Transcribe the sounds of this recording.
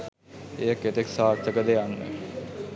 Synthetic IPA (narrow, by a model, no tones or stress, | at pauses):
ejəkːet̪eksaːt̪ʰːəkəd̪eanːə̰